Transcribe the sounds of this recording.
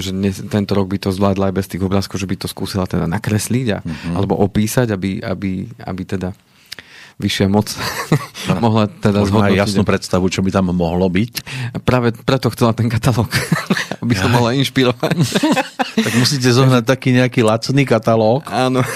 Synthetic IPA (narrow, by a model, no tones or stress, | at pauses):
ʒɛd̪ɲɛst̪ɛnt̪ɔɾɔɡ̚bit̪ɔzʋlaːd̪laajbɛst̪iːɣɔbɾaːskɔʊʒɛbit̪ɔskuːsilat̪ɛd̪anakɾɛsliɟa̰a̰lɛbɔ̰ʔɔpiːsaɟabia̰bia̰bit̪ɛd̪a | ʋiʃɪamɔt͡s | mɔɦlat̪ɛd̪azɦɔd̪jaisnuːpɾɛt̪st̪aʋut͡ʃɔbit̪amːɔɦlɔbicpɾaːʋɛpɾɛt̪ɔxt͡sɛlat̪ɛnkat̪alɔːkabisamɔɦlainʃpiɾɔʋac | t̪aɡmusic̬ɛzɔɦnac̚t̪akiːɲɛakiːlat͡sniːkat̪alɔːkaːnɔ